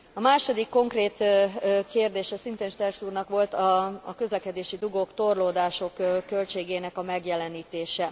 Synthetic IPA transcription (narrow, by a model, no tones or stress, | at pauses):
ɒmaːʃo̞d̪ikːo̞ŋkreːt̪ːkeːrd̪eːʃɛsint̪eːnʃt̪ɛrksuːrnɒkʋo̞lt̪ɒkø̞zlɛkɛd̪eːʃid̪uɡokt̪o̞rloːd̪aːʃo̞kkːø̞lʲt͡ʃeːɡeːnɛkɒmɛɡjɛlɛniːt̪eːʃɛ